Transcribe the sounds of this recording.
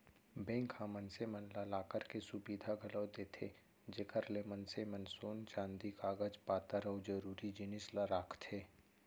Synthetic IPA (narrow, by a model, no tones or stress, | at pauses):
bẽːŋkhãmənsemənlalaːkəɾkesʊbiːd̪ʱaɡʱɐləːd̪eːt̪ʰḛ | d͡ʒekəɾlemənsemənsoːnt͡ʃãːnd̪ikaːɡəd͡ʒpaːt̪əɾəwd͡ʒəɾuːɾid͡ʒɪnɪslaɾaːkʰt̪ʰeː